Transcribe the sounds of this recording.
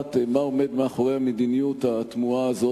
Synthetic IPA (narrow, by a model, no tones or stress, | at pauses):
t̪mao̞med̪maːχoʁeamed̪inijut̪at̪muaːzo